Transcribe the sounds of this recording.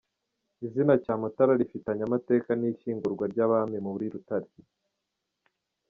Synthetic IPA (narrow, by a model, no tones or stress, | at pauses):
izinacaːmutaɾaɾifitaɲamate̞ːkaniçiːŋɡuɾɡwaɾɟaːβamemuβuɾiɾutaɾi